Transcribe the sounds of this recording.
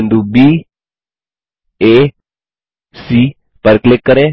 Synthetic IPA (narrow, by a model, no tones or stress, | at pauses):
nd̪ubiː | eː | siː | pəɾklɪkːəɾe